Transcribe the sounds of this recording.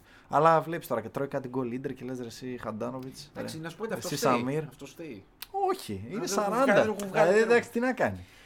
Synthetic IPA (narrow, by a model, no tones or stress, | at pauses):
ɐ̰lɐvle̞pist̪o̞ɾɐcet̪ɾoikɐt̪iɡo̞lid̪eɾce̞le̞zɾesixɐnd̪ɐno̞vit͡sssp̪ɐesisamiɾft̪ost̪e | o̞çiinessɐɾɐnd̪ɐvɣd̪ɐksi̥t̪inɐkɐni